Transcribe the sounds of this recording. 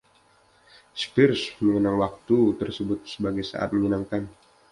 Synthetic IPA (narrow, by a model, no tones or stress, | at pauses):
spɪrsməŋənaŋwak̚t̪ut̪ərsəbʊt̪̚səbaɡajsa̰ʔa̰t̪̚məɲənaŋkan